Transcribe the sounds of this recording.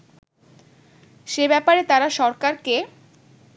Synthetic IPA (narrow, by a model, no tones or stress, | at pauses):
ʃebɛpaɾet̪aɾaʃɔɾkaɾke